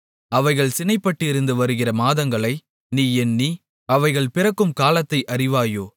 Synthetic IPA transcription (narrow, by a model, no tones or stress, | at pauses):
ɐʋɐɪɣɐɭsɪnɐɪpːɐʈːɪɾɯnd̪ɯʋɐɾɯɣɪrɐmaːðɐŋɡɐɭɐɪ | niːɛnːi | ɐʋɐɪɣɐɭpɪrɐkːɯmkaːlɐt̪ːɐɪʔɐrɪʋaːjoː